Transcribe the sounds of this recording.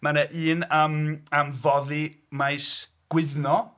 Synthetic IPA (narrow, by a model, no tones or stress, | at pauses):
manaʔɨːnəmamvɔði | majs | ɡ̥wɪðnɔ